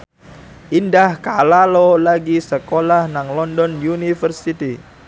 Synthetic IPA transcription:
ʔindahkalalɔlaɡisəkolahnaŋlɔndɔnjunifərsit̪i

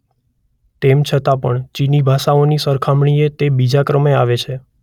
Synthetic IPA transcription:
t̪emt͡ʃʰət̪apəɳt͡ʃinibʱaʃaonisəɾkʰamɳ̃iet̪ebid͡ʒakɾəmeaʋet͡ʃʰe

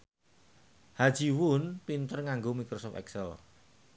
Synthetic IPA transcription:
had̥d͡ʒ̥i̤wʊnpint̪ərŋaŋɡomikɾosɔft̪ɛ̰ksɛl

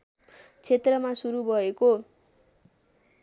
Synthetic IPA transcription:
t͡sʰet̪rʌmasuɾubʱʌeko

